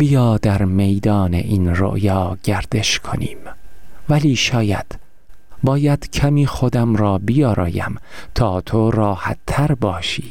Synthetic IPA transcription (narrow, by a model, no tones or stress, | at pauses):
b̥ijɒːd̪æɾmejd̪ɒːnḛʔiːnɾo̰ʔjɒːɟ̥æɾd̪e̞ʃkʰo̰nḭːmvæliːʃɒːjæ̰d̪̥ | bɒːjæd̪̥cʰæmiːxod̪æmɾɒːbijɒːɾɒ̰ːjæ̰mt̪ʰɒːt̪ʰoɾɒːhæ̰t̪ʰːæɾbɒːʃiː